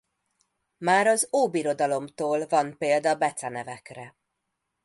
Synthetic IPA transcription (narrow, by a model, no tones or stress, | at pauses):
maːɾɒzoːbiɾo̞d̪ɒlo̞mt̪oːlvɒnpeːld̪ɒːbɛt̪sɛnɛvɛkrɛ